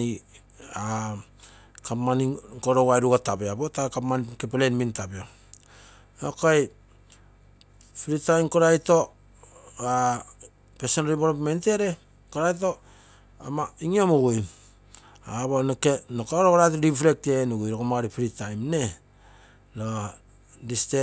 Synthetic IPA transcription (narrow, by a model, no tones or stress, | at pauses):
i | a | kapmanikoɾowajɾuɡatabeabotakapmankepelenmintapeo | nokaj | piɾitajmkoɾajto̞ | a | pesonɾiboɾopmente̞ɾe̞ | koɾajt̬o̞ | amaiŋiomuɡuj | aβonokenokaɾokoɾatɾifɾe̞k̚tenuɡujɾokomaaɾipiɾitajmne̞ | lo | diste